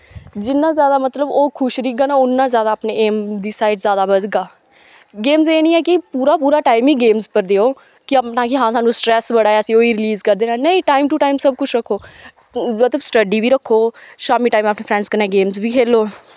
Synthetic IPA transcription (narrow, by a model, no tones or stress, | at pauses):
d͡ʒɪnːãːzjaːd̪aːmət̪ləboːkʰʊʃɾiːkɡaːnãːʊnːãːzjaːd̪aːpneːeːmd̪iːsaːɪʈzjaːd̪aːbəd̪ɡaː | ɡeːmzeːnĩːɛːkɪpuːɾaːpuːɾaːʈaːɪmiːɡeːmzpəɾd̪eːoː | kɪəpnãːkɪɦãːsãːnũːsʈɾɛːsʋəɽaːɛəsĩːoːiːɾɪliːzkəɾd̪eːnaːnəĩːʈaːɪmʈuːʈaːimsəb̚kʊt͡ʃʰɾəkʰːoː | mət̪ləbsʈəɖiːbiːɾəkʰːoːʃaːmiːʈaːiməpneːpʰɾɛ̃ːɳɖskənːẽːɡeːmzbiːkʰeːloː